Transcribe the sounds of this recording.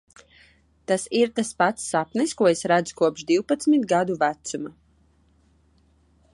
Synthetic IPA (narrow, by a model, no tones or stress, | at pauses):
t̪asiɾt̪aspat̪sːapniskuɔesɾad̪zu̥kuɔpʒd̪iwpat̪smit̪ɡad̪uvæt̪suma